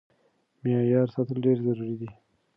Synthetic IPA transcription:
mijɑjɑːɾsɑt̪əlɖeɾzaɾuɾid̪i

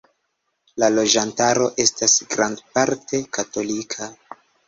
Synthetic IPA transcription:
lalo̞d͡ʒantaɾo̞ʔe̞stasɡɾandpaɾtʰe̞kato̞likʰa

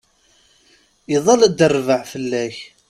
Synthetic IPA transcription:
iðˤɑlæd̪ərːvəʕfəlːæç

